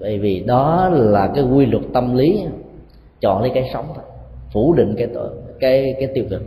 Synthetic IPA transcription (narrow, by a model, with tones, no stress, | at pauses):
və̰˧˨jvi˨˩ɗɔ˨˦laː˨˩kaː˨˦jɣwi˧lwə˨˩t̚t̪ə˧mli˨˦ | t͡ɕɔ̰˧˨nlə˨˦jkaː˨˦jsə˨˦wŋ͡mt̪ʰo˧˩fu˧˩ɗḭ̈˧˨ŋ̟kaː˨˦jt̪kaː˨˦jkaː˨˦jt̪i˧əwkɨ˨˩k̚